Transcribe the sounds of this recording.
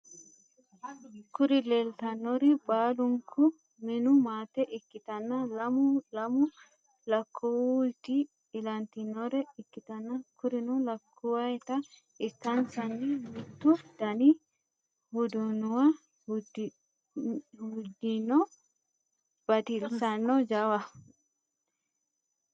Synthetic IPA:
kʊɾɪleːlt̪ɐnːɔɾɛbʼaːlʊŋkʰʊ | mɪnʊmaːt̪ɛʔɪkːɪt̪ɐnːɐlɐmʊlɐmʊ | lɐkʰːuwlt̪iː | lɐnt̪ɪnːɔɾɛɪkːɪt̪ɐnːɐkʊɾɪnɔlɐkʰːʊwɐɛt̪ɐ | ist̪ːansanːimit̪ːud̪ɐni | hud̪unuwa | hud͡ʒinɔ | b̥at̪ilsanːɔd͡ʒawa

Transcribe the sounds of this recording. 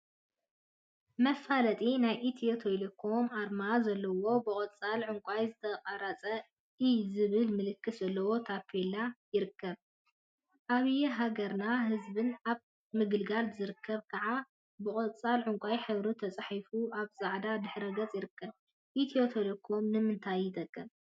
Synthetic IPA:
mɐfalɐt̪ʼinajʔit̪ʰot̪ʰelekʰo̞maɾmazɐlːɐwo̞bɨkʼɐt͡sʼalʕʊŋkʷʼajzɨt̪ʰɐqʼɐɾat͡sʼɐ | ʔizɨβɨlmɨlɨkʰːɨszɐlːɐwo̞t̪ʰapʰːelajɪɾɨkʰːɐβ | ʔaβɨjɛɦaɡɐɾnaɦɨzbɨnaβ | mɨɡɨlɡalzɨɾɨkʰːɐβkʰɐʕa | bɨkʼɐt͡sʼalʕʊŋkʷʼajħɨβɾut̪ʰɐt͡sʼħifuaβzaʕd̪ad̪ɨħɾɐɡɐt͡sʼjɪɾɨkʰːɐβ | ʔit̪ʰio̞t̪ʰelekʰo̞mnɨmɨnt̪ʰajːɪd̪ʼɐkʼːɐβ

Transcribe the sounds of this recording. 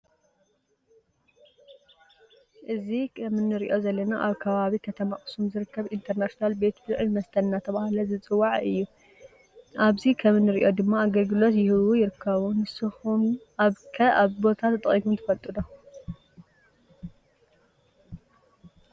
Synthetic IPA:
ʔɨzikʰɐmɨnːɨɾiʔo̞zɐlːɐnaʔaβkʰɐβaβikʰɐt̪ʰɐmaχʼsumzɨɾɨkʰːɐβint̪ʰɐɾnaʃinalbe̞t̪bɨzʕɨmɐst̪ʰɐnnat̪ʰɐβahlɐzɨt͡sʼɨwːaʕɨjːu | ʔaβzikʰɐmɨnːɨɾiʔo̞d̪ɨmːaaɡɐlɡɨlo̞t̪jɪhɨβujɪɾɨkʰːɐβunɨsɨxum | kʰɐaβbo̞t̪ʰat̪ʰːɐt̪ʼɐ̰ikʰumt̪ʰɨfɐlt̪ʼɨd̪o

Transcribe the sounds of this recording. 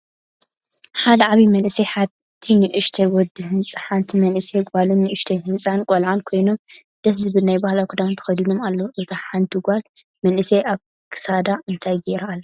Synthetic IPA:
ħad̪ɐʕaβimɐnʔɨseħa | t̪ʰinɨʔɨʃt̪ʰewɔd̪ɨhɨnt͡sʼɨħant̪ʰimɐnʔɨseɡβalɨnːɨʔɨʃt̪ʰeɦɨt͡sʼankʼolʕankʰo̞jnomd̪̥ɐs̬zɨbɨlnajbahlakʰud̪amt̪ʰɐ̥xɐd̪inomalːɐwoʔɨt̪ʰɐħant̪ʰɨɡal | mɐnʔɨseʔaβ | kʰɨ̥sad̪aʔɨnt̪ʰajɡeɾaalː

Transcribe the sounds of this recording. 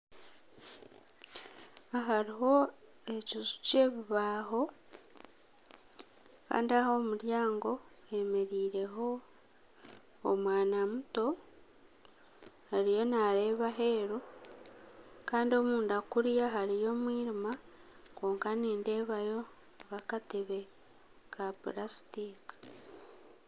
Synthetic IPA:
aɦaɾiɦo̞ | e̞cizu̥ce̞ːβiβaːɦo̞ | ka̰ːndiaho̞ːmuɾjaːŋɡo̞ | e̞me̞ɾiːɾe̞ɦo̞ | mwaːnamuto̞ | aɾijo̞naɾe̞ːβaɦe̞ːɾu | kaːndio̞muːndakuɾjaɦaɾijo̞ːmwiːɾima | koːŋkaniːnde̞ːβajo̞ | ɡakateβe̞ | kapɾasi̥tiki̥

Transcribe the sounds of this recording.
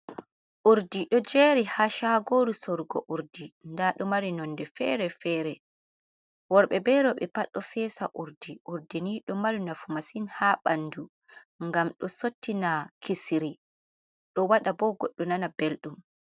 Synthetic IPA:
ʔuɾdiɗɔd͡ʒeɾihaʃaɡoɾusɔɾɡɔ̰ʔuɾdindaɗɔmaɾinɔndɛfɛɾɛfɛːɾɛ | wɔɾɓɛbɛɾɔɓɛpaɗːɔfɛːsaʔuɾdiʔuɾdiniɗɔmaɾinafumasinhaɓanːdu | ŋɡamɗɔsotːinakʰisiɾi | ɗɔwaɗabɔɡɔɗːɔnanabelɗum

